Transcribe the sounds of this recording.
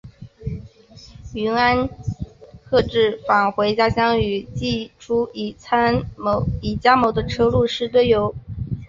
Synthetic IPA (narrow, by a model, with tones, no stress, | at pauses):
y˧˥na˥n | kʰɤ˥˧ʈ͡ʂɻ̩˥˩fa˨˩nxwe˧˥ɪt͡ɕja˥ɕjɑ˥ŋy˨˩t͡ɕi˥˩ʈ͡ʂʰu˥˨˩t͡sʰa˥n˧i˨˩t͡ɕja˥mo˧˥ʊd̪ə˧ʈ͡ʂʰɤ˥lu˥˧ʂɻ̩˥˧t̪we˥˩ɪjo˧˥ʊ